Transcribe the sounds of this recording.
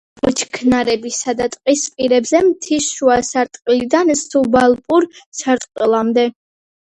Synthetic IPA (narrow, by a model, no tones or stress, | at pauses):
bɔt͡ʃʰkʰnaɾɛbisad̪at̪ʼqʼispʼiɾɛbzɛmt̪ʰisʃuasaɾt̪ʼqʼilid̪ansubalˠpʼuɾsʰaɾt̪ʼqʼilˠamd̪ɛ